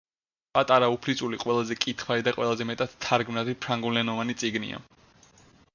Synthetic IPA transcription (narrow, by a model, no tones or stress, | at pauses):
pʼat̪ʼaɾaupʰlit̪sʼuliqʼwɛlˠazɛkʼit̪ʰχwaɾid̪aqʼwɛlˠazɛmɛt̪ʼad̪̥t̪ʰːaɾɡmnat̪ʰipʰɾaŋɡulɛnɔvanit̪sʼiɡnḭa̰